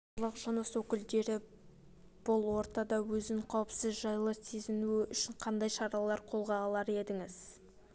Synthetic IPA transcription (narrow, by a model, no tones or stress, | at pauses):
lˠəqʒ̥ənəswɵkʲɪld̪e̞ɾɪ | b̥ʊlˠwo̞ɾt̪ɑd̪ɑwɵzɪqʰɑwəpsɪzʒɑjlˠəse̞zɪnuɪʏʃɪɴqʰɑnd̪ɑjʃɑɾɑlˠɑɾqʰo̞lˠʁɑːlˠɑɾe̞d̪ɪŋɪz